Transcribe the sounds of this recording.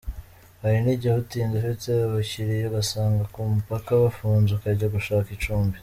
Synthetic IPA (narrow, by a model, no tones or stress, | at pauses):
haɾiniɟahutiːnzafiteβaçiɾijoɡasaːŋɡakumupakaβafuːnzukaɾɟaɡuʃaːkit͡ʃuːmbi